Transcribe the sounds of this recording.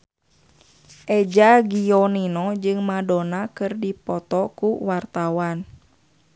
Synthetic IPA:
ʔɛd͡ʒaɡiɔninɔd͡ʒɨŋmadɔnakɨrdipɔt̪ɔkuwart̪awan

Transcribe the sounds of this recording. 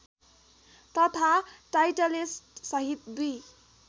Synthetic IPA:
t̪ʌt̪ʰaʈajʈʌlisʈsʌɦit̪d̪uj

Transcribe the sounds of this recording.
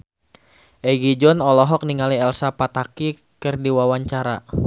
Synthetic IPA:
ʔɛɡid͡ʒɔnɔlɔɦɔk̚niŋaliɛlsapat̪aki | kɨrdiwawaɲt͡ʃaɾa̰

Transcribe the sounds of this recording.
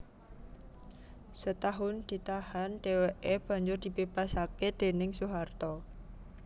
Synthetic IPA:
sət̪aɦʊnd̪̥i̤t̪ahanɖ̥eweʔeb̥a̤ɲd͡ʒʊrd̪̥i̤bebasaked̪̥e̤nɪŋsuɦart̪ɔ

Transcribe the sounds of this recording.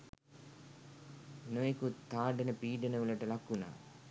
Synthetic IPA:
noekut̪ʰːaːɖenəpiːɖənəʋulɐʈəlakːuna̰ː

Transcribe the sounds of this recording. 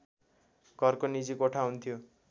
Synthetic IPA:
ɡ̥ʱʌrkonid͡zikoʈʰaɦunt̪ʰijo

